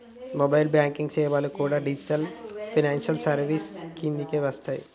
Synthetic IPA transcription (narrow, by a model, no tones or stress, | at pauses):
mobajlbjaːŋkiŋɡt͡ʃeːʋaːlukuːɽaːɖid͡ʒiʈɐlpʰinaːnʃɐlsɐɾʋiskind̪ikeːʋɐst̪ʰaːjḭ